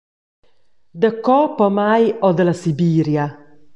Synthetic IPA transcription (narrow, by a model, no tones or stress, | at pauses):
d̪əkɔpɔmajɔd̪əlasibiːɾja